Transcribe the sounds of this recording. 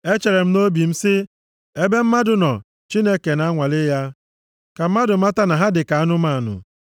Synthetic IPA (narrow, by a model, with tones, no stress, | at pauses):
e˦t͡ʃe˨ɾe˨m̩˦no˦bi˨m̩˦sɪ˦ | e˦be˦m̩˦ma˦dʊ˨nɔ˨ | t͡ʃi˦ne˦ke˨na˦a˦ŋʷa˨lɪ˦ja˦ | ka˨m̩˦ma˦dʊ˨ma˦ta˦na˨ɦa˦dɪ˨ka˨a˦nʊ˦ma˦˨nʊ̰˨